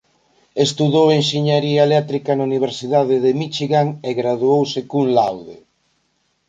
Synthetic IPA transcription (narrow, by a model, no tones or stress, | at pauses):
est̪uðowenʃiɲaɾiaelɛt̪ɾikanauniβ̞eɾsiðaðɪðemit͡ʃiɣaŋeɣɾaðuowsɪkuŋlawðḛ